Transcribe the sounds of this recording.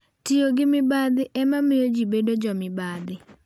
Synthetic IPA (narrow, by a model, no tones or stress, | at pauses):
tioɡɪmɪbad̪ɪʔɛmamɪjod͡ʒibedod͡ʒɔmɪbad̪ɪ